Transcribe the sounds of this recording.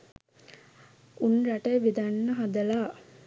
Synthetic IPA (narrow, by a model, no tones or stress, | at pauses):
unɾaʈejʋid̪anːəɦad̪ɐlaː